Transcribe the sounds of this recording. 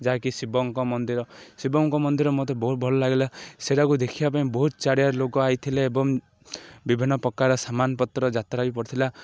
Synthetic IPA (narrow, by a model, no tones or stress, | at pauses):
d͡ʒaakisibɔŋkɔmɔnd̪iɾɔsibɔŋkɔmɔnd̪iɾɔmɔt̪ɔbɔɦut̪̚bʱɔlɔlaɡelaseɾakud̪ekʰibapaĩbɔɦut̪̚t͡ʃaɽijaɾlokɔajt̪ʰileːbɔŋ | bibʱinːɔpɔkːaɾɔsamanpɔt̪ɾɔd͡ʒat̪ɾabipɔɾɔt̪ʰila